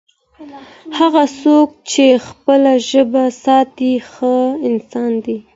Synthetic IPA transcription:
haɣasok̚t͡ʃexpəlaʒəbasɑt̪ixəɪnsɑnd̪i

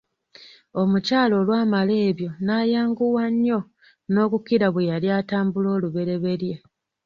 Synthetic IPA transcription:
o̞mucaːlo̞ːlwaːmale̞ːβjo̞naːjaːŋɡuwaɲːo̞ | no̞ːkukiɾaβwejaljaːtaːmbulo̞ːluβe̞ɾe̞βe̞ɾje

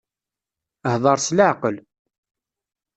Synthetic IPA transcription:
hðˤɑɾˤsləʕqəl

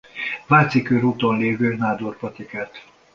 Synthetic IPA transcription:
vaːt̪sikøɾuːt̪onleːvøːnaːd̪orpɒt̪ikat̪

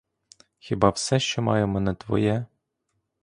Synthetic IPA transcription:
xʲɪbɑwsɛʃt͡ʃɔmɑ̰jɛmɛnɛt̪ʋɔ̰jɛ

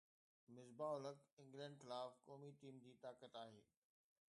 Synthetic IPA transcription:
mɪzbaːʊləkɪ̃ŋɡlɛ̃ːɳɖxɪlaːfkɔːmiʈiːmd͡ʑiːt̪aːkət̪aːɦeː

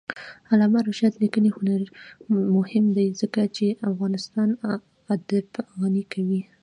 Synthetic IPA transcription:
alɑmaɾʊʃjat̪likənexʊnaɾimʊhɪmd̪ajzəkat͡ʃeʔafɣɑnɪst̪ɑn | ad̪əbaɣanikʰawi

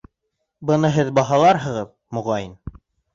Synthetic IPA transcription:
bɤ̆nɤɦɘðbɑɦɑlˠɑɾɦɤ̆ʁɤð | moʁɑjin

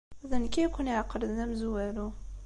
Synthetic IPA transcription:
ðænkijkʷuniʕqːɾəðnæmzwæɾu

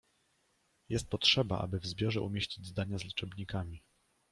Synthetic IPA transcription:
jɛst̪̚pɔtʂɛba̰ʔa̰bɘvzbʲjɔʐɛʔumʲjeɕt͡ɕid͡ʑzd̪aɲazlʲit͡ʂɛbɲikamʲi

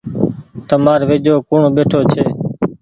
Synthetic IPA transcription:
t̪əmaːɾʋeːd͡ʒoːkʊɳoɓeːʈʰoːt͡ʃʰeː

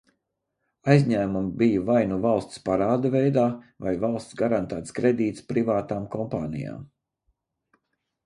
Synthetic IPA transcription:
ajzɲæːmumbijavajnuvalˠst̪spaɾaːd̪avɛjd̪aːvajvalˠst̪sɡaɾant̪æːt̪skɾed̪iːt̪spɾivaːt̪aːmkɔmpaːnḭja̰ːm

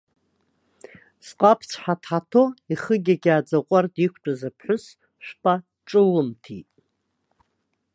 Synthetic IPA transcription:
sqʼapʰt͡sʷʰħatʰħatʰoiχəɡʲaɡʲaːd͡zaqʷʼardikʷʰʈ͡ʂʷʼazapʰħʷʊs | ʃʷᶣpʼa | ʈ͡ʂʼɨlɨmtʰḭtʼ

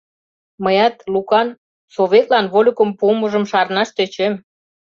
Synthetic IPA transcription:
məjɑt̪lukɑn | soβet̪lɑnβolʲukə̆mpuməʒə̆mʃɑrnɑʃt̪et͡ɕem

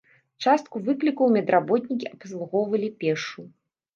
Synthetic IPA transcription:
t͡ʂast̪̚kuvɨklʲikɐwmʲɛd̪ɾabɔt̪ʲnʲikʲiʔɐpslˠuɣɔwvɐlʲipʲɛʂu

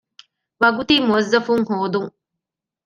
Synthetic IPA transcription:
ʋɐɡut̪imuɐzːɐfuŋhoːd̪uŋ

